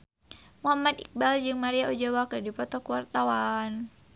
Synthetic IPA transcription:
muɦamat̪ḭk̚bald͡ʒɨŋmaɾiaʔɔd͡ʒawakədipɔt̪ɔkuwart̪awan

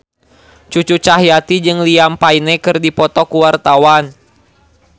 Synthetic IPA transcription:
t͡ʃut͡ʃut͡ʃaɦjat̪id͡ʒɨŋliampainɛkɨrdipɔt̪ɔkuwart̪awan

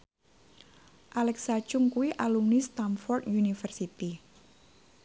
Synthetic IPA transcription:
ʔalɛksḁt͡ʃʊŋkuwiʔalumnist̪amfɔrt̪junifərsit̪i

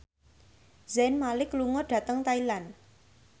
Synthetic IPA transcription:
zɛnmalɪkluŋɔɖ̥ä̤t̪əŋt̪ailan

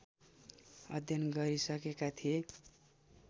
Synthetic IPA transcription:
ʌd̪ʱjʌnɡʌɾisʌkekat̪ʰije

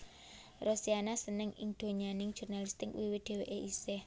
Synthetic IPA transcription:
rosianasənɪŋɪŋd̪̥o̤ɲanɪŋ̥ʒ̥ṳrnalist̪ɪkwiwɪd̥e̤weʔeʔisɪh

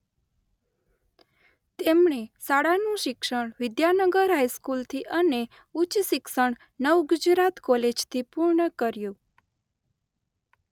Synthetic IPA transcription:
t̪emɳesaɽanũʃɪkʃəɳ̃ʋɪd̪janəɡəɾɦaiskult̪ʰiʔəne | ut͡ʃʃɪkʃəɳ | nəʋɡʊd͡ʒɾat̪kɔled͡ʒt̪ʰipuɾɳəkəɾjũ

